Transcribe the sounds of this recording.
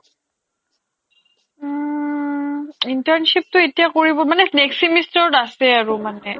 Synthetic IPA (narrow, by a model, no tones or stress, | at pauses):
intaɹnʃip̚toetijakoɹibɔmaneneksimistɔʈasɛaɹumane